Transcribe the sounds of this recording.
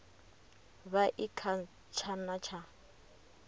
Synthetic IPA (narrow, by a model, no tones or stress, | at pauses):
βaʔikʰa | t͡ʃʰanat͡ʃʰa